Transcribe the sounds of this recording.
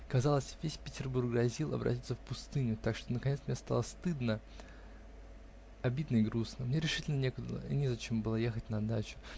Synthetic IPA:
kɐzɑlˠəsʲvʲesʲpʲɪtʲɪrburɡrɐzʲilˠɐ̰bɾʔɐ̰tʲit̪səfpʊst̪ɨnʲʊt̪akʂt̪onəkɐnʲet̪smnʲest̪a̰lˠəst̪ɨd̪nə | ɐbʲid̪nəɪɡɾusnəmnʲe̞ɾʲɪʂɨ̥tʲɪlʲnənʲekʊd̪ə̰nʲɪzɐt͡ɕembɨlˠəje̞xətʲnɐd̪at͡ɕʊ̥

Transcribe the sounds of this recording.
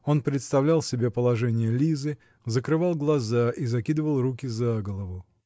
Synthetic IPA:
o̞npɾʲɪt̪st̪ɐvlʲælˠsʲɪbʲepəlˠɐʐɛnʲɪjəlʲizɨ | zəkɾɨvɑlˠɡlˠɐzaʔizɐkʲid̪ɨvəlˠrukʲɪzaɡəlˠəvʊ

